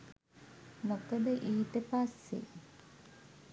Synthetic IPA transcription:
mokəd̪əʔiːt̪epasːḛ

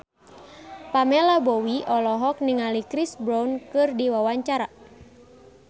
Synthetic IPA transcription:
pamɛlabɔwiʔɔlɔɦɔk̚niŋalikɾisbɾawnkɨrdiwawaɲt͡ʃaɾa

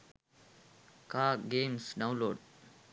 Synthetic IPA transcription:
kaːɡeːmsɖawloːɖ

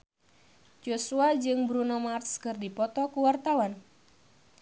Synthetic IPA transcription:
d͡ʒosuad͡ʒɨŋbɾunomart̪skɨrdipɔt̪ɔkuwart̪awan

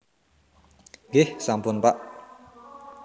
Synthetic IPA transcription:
ɡehsampunpaʔ

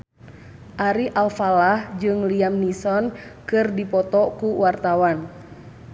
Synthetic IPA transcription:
ʔaɾiʔalfalahd͡ʒɨŋliamnisɔnkɨrdipɔt̪ɔkuwart̪awan

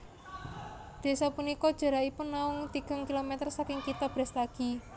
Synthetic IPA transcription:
d̪̥e̤sɔpunikɔd̥ʒ̥a̤ɾaipʊnːaʊŋt̪iɡ̥a̤ŋkilomet̪ərsakɪŋkit̪ɔb̥ɾɛ̤slaɡ̥i̤

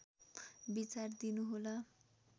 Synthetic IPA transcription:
bit͡sard̪inuɦola

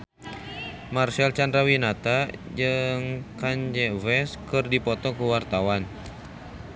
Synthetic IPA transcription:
marsɛlt͡ʃandɾawinat̪ad͡ʒɨŋkaɲd͡ʒɛvɛskɨrdipɔt̪ɔkəwart̪awan

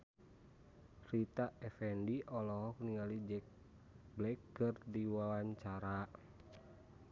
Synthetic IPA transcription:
rit̪aɛfɛndiʔɔlɔɦɔk̚niŋalid͡ʒɛk̚ | blɛkːɨrdiwawaɲt͡ʃaɾa

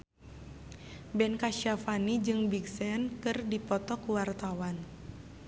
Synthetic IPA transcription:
bɛnkaʃiafanid͡ʒɨŋbiksɛnkɨrdipɔt̪ɔkuwart̪awan

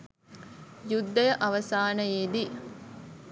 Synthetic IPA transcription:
jud̪ːɐjɐʔɐʋɐsaːnɐjeːd̪i

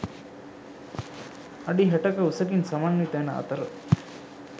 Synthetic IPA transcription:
ɐɖiɦɛʈɐkɐusɐkinsɐmaːnːit̪æːnɐɐ̰t̪ɐɾə

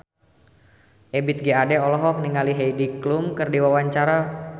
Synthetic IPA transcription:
ʔebit̪̚ɡeadɛɔlɔɦɔk̚niŋaliɦejdiklumkərdiwawaɲt͡ʃaɾa

